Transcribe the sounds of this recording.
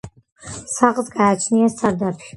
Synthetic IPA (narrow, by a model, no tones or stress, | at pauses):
saqʼzɡaːt͡ʃʰniasaɾd̪apʰʃ